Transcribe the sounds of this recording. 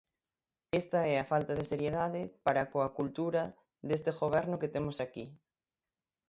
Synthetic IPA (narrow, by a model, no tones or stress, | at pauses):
est̪aɛafalt̪aðeseɾjeðaðɪpaɾakoakult̪uɾa | ðest̪eɣoβɛɾnʊket̪emosaki